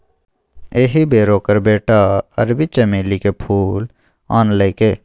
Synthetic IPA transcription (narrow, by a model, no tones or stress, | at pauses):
eːɦibeːɾoːkəɾbeːʈaə̰ɾbɪt͡ʃeːmeːlikepʰuːl | aːnleːkeː